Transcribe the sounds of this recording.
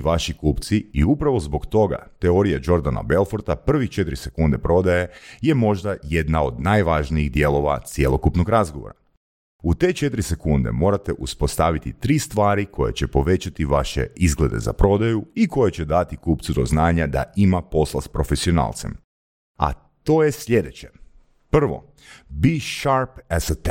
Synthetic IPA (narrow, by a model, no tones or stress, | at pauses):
ʋaʃikuːpt̪siiupɾaʋo̞zbo̞kt̪o̞ɡa̰t̪eoɾijad͡ʒo̞ɾd̪ana̰be̞lˠfo̞ɾt̪apr̩ʋixt͡ʃet̪ɾisekund̪e̞pɾo̞d̪aje̞je̞mo̞ʒd̪ajed̪nao̞d̪najʋaʒniiɣd̪je̞lˠo̞ʋa̰t̪sjelˠo̞kupnoɡɾazɡoʋo̰ɾa | ut̪e̞ːt͡ʃe̞t̪ɾise̞kund̪e̞̰mo̞ːɾat̪eʔuspo̞st̪aʋit̪it̪ɾiːst̪ʋaːɾikʰo̞jḛt͡ɕepo̞ʋe̞t͡ɕat̪iʋaʃḛizɡle̞d̪e̞̰za̰pɾo̞d̪ajuiko̞jet͡ɕed̪at̪ikuːpt̪sud̪o̰znaːɲad̪a̰imapo̞slˠaspɾo̞fe̞sio̞na̰lt̪se̞m | a̰ | t̪o̞ːjesʎʲe̞d̪e̞t͡ɕe̞ | pr̩ʋo̞̰ | biʃaɾpɛzət̪